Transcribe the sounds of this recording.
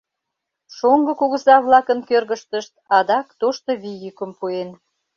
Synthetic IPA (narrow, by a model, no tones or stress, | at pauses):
ʃoŋɡɤ̆kuɣəzɑβlɑkənkørɣəʃt̪əʃt̪̚ɑd̪ɑkt̪oʃt̪oβijykəmpuen